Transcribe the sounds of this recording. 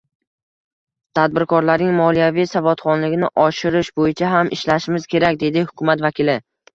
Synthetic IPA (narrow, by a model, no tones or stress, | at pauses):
t̪ʰad̪̚bɪɾkʰɒɾlaɾnɪŋmɒlijavijsavɒt̪χɒnlɪɡʲɪnɪʔɒʃɪɾɪʃbojɪt͡ʃʰaɦamʔɪʃlaʃɪmɪz̥kʲe̞ɾakʲd̪e̞d̪ɪhʊkʲʰʊmat̪vakʲʰɪlɪ